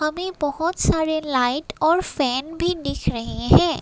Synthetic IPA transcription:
ɦɐmẽbɐɦʊt̪saːɾelaːɪʈɔːɾfɛːnbʱid̪ɪkʰɾɐɦẽɦɛ̃ː

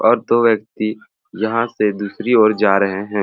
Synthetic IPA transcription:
ɔːɾt̪oːʋjək̚t̪i | jɐɦãsed̪uːsɾioːɾd͡ʒaːɾəɦeɦɛ̃ː

